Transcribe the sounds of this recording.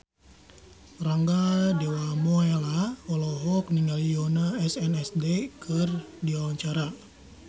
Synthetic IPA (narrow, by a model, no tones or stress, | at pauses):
raŋɡadewamɔelaɔlɔɦɔk̚niŋɡalijonaɛsɛnɛsdekʰɨrdiwawaɲt͡ʃaɾa